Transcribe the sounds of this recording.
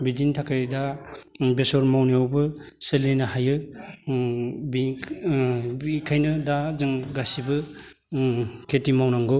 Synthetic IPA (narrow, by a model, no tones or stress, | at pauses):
bidintʰakʰajdabesɔɾmawniawbɯ | selːenahajɯ | bi | ikʰajnɯdazɯŋɡasibɯ | kʰetimawnaŋɡɔ